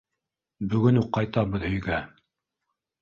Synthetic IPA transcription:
bɵ̆ɡɵnuqːɑjt̪ɑβɤðɵ̆jɡæ

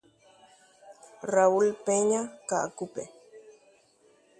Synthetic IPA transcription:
raulpeɲaka̰ʔkupe

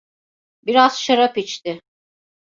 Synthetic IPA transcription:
biɾaz̥ʃaɾapit͡ʃt̪ɪ

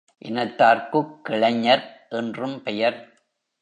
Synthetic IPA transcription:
ʔɪnɐt̪ːaːɾkɯkːɪɭɐɲːɐɾʔɛndrɯmpɛjɐɾ

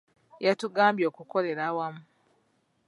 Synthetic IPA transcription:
jatuɡaːmbjo̞ːkuko̞le̞ɾawamu

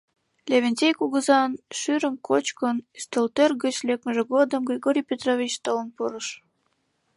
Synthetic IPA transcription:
lʲeβenʲtʲejkuɣəzɑnʃyɾəmkʰot͡ɕkənyst̪əlt̪ørɣət͡ɕlʲek̚məʒĕɣod̪əmɡrʲiɣoɾʲijpʲet̪rovʲit͡ɕt̪olənpuɾəʃ

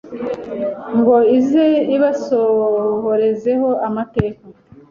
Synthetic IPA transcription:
ŋɡo̞izeiβasohoɾe̞ze̞ho̞ʔamate̞ːka

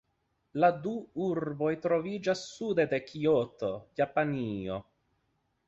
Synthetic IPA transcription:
lad̪uuɾbo̞jt̪ɾo̞vid͡ʒasːud̪e̞d̪e̞kʰiot̪o̞japanio

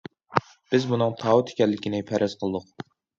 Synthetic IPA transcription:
b̥ɪzbunɨŋt̪ʰɑːwɨt̪ʰe̥kʲɛlːɪkʲinɪpʰæɾʔɛz̥qʰəlˠɨd̪ʊq

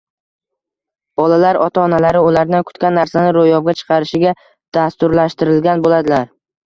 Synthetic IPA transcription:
b̥ɒlalaɾɒt̪ʰaɒnalaɾɪʊlaɾd̪ankʰʊ̥t̪kʲanːaɾsanɪɾojɒbɡʲat͡ʃʰɨ̥qʰɑɾɪʃɪɡʲa | d̪̥ast̪ʊɾlaʃt̪ɪɾɪlɡʲanbolad̪ɪlaɾ

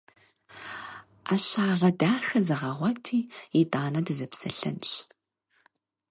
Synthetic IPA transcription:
aːɕaːɮɐdaːxɐzɐʁɐʁʷɔtʰiːitʼaːnɐdɨzɐpsɐ̰ɬɐ̰nɕ

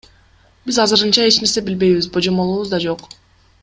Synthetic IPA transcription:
bizɑzɯɾɯnt͡ʃɑe̞t͡ʃne̞ɾse̞bilbe̞jβizbod͡ʒo̞mo̞lˠuːβuzd̪ɑd͡ʒo̞q

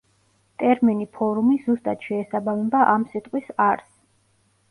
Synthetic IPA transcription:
t̪ʼɛɾminipʰɔɾumizust̪ʼat̪ʃɛːsabamɛbaʔamsit̪ʼqʼwisaɾs

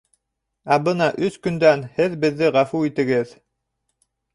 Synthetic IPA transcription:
æbɤnɑʔɵskɵ̆nd̪ænhɘðbɘ̆ðːɘʁæfuit̪ɘ̆ɡɘð

